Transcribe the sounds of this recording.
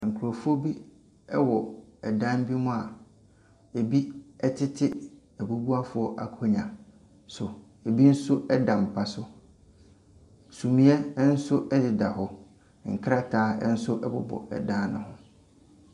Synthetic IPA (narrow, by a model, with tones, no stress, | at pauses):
ŋ̩˨kʰu˨ɾo˨fʊ˦o˦bi˦ | ɛ˦wɔ˨ɛ˨dã˦m˦bi˦mʊ̃˦a˨ | e˨bi˦ɛ˦tʰɪ˦tʰɪ˦ | æ˨bu˦bu˦a˦fʊ˨˦ɔ˦ʔa˨kʰɔ˦ɲã˨ | sʊ˨ | e˨bi˦n̩˦sʊ˦ɛ˦dã˨m̩˨pʰa˨sʊ˦ | sũ˨mĩ˨˦ɛ˦n̩˦sʊ˦ʔɛ˦dɪ˨da˨ɦɔ˨˦ | ŋ̩˨kʰa˦tʰaː˦ɛ˦n̩˦sʊ˦ʔɛ˦bʊ̰˨bɔ̰˨ɛ̰˨dã˦n˦nʊ̰̃˨hʊ̃˦